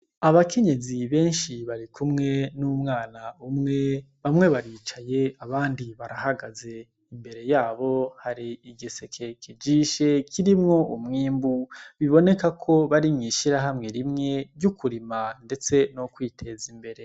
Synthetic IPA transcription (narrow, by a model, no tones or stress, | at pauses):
aβakʰe̞ɲe̞ziβe̞ːnʃiβaɾikʰumŋe̞numŋaːnaumŋe̞ | βamŋe̞βaɾiːt͡ʃaje̞aβaːndiβaɾahaɡaze̞ | imbe̞ɾe̞jaːβo̞haɾiiɡisekʰekid͡ʒiːʃe̞kʰiɾimŋo̞ʔumŋiːmbuβiβo̞ne̞kakʰo̞βaɾimŋiːʃiɾaɦamŋe̞ɾimŋe̞ɾɟukuɾimande̞t͡se̞nokwiːtʰe̞zimbe̞ɾe̞